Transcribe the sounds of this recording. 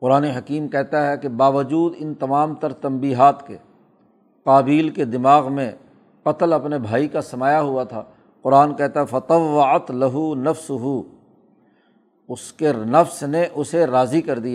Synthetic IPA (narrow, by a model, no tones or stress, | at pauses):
qʊɾaːneɦɐkiːmkɛɦt̪aɦɛkebaːʋəd͡ʒuːd̪ɪnt̪ɐmaːmt̪ɐɾt̪ɐ̃mbiːɦaːt̪ke | qaːbiːlked̪ɪmaːɣmẽ | qɐt̪əlɐpnebʱaːikasɐmaːjaɦʊat̪ʰa̰ː | qʊɾaːnkɛɦt̪aɦɛfɐt̪ɐʋːɐɐt̪lɐɦunɐfsʊɦu | ʊskenɐfsneʔʊseɾaːzikɐɾd̪ijaː